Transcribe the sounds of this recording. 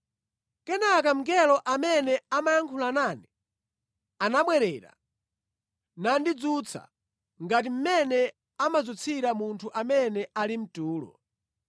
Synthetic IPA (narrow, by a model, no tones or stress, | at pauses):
kɛnak̬am̩ɡɛlɔʔamɛnɛamajaŋkʰulanani | anaɓwɛɾɛːɾa̰ | nandid͡zut͡sʰa̰ | ŋɡatim̩mɛnɛ | amad͡zut͡sʰiɾamuntʰuʔamɛnɛʔalim̩tuːlɔ̰